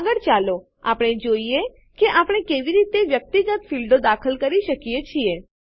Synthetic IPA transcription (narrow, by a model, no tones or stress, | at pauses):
ɡəɽt͡ʃalo | a̰pɽ̃ed͡ʒoie | keʔapɽ̃ekeʋiɾit̪eʋjək̚t̪iɡət̪filɖod̪akʰəlkəɾiʃəkijet͡ʃʰie